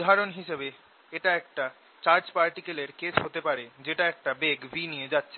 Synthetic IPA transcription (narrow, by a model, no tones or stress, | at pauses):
d̪ʱaɾonɦiʃebe | eʈaɛk̚ʈa | t͡ɕaɾd͡ʑpaɾʈikeleɾket͡ɕɦot̪epaɾed͡ʑeʈaɛk̚ʈabeɡbʱinijed͡ʑatːɕʰe